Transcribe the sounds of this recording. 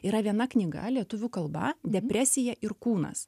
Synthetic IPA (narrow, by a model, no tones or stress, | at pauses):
iːɾɐʋʲiɛnɐknʲɪɡɐ̰lʲiɛt̪ʊʋʲʊkɐlˠbɐd̪ʲɛpʲɾʲæsʲɪjɛʔɪɾkuːnɐ̰s